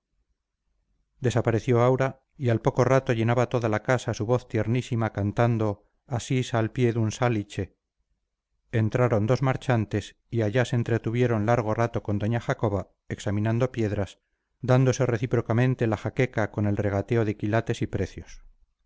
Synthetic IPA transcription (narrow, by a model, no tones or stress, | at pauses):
d̪e̞sapaɾe̞θjo̞awɾa | ialpo̞ko̞rat̪o̞ʝe̞naβat̪o̞ðalakasasuβo̞θt̪je̞ɾnisimakant̪and̪o̞ | asisalpje̞ðunsalit͡ʃe̞ | nt̪ɾaɾo̞nd̪o̞zmaɾt͡ʃant̪e̞s | iaʎaseːnt̪ɾe̞t̪uβ̞je̞ɾo̞nlaɾɣ̞o̞rat̪o̞ko̞nd̪o̞ɲaxako̞βa | e̞ksamĩnãnd̪o̞pje̞ðɾas | d̪and̪o̞se̞re̞θipɾo̞kamẽ̞nt̪elaxake̞kako̞ne̞lre̞ɣ̞at̪e̞o̞ðekilat̪e̞sipɾe̞θjo̞s